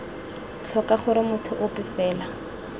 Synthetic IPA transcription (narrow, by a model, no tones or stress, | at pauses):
t͡ɬʰɔkaχʊɾɪmʊtʰʊʔʊpɪfɛːla